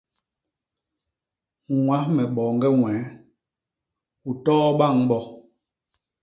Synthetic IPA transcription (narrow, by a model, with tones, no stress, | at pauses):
ŋwa˨˦mɛ˨ɓɔː˨ŋ˦ɡɛ˦ŋwɛː˨˦ | u˨tɔː˦ɓa˦˨ŋɓɔ˦